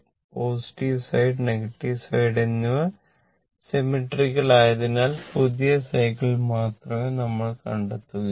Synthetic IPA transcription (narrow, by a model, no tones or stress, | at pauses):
po̞ːsi̥ʈiʋsɐjɖneɣɐʈːiʋsɐjɽenːu | se̞miʈːriɣɐɭaːjɐðinaːlpuðijɐsɐjkːɭilmaːt̪rɐmenɐmːɐɭkɐɳɖet̪ːuɣɐ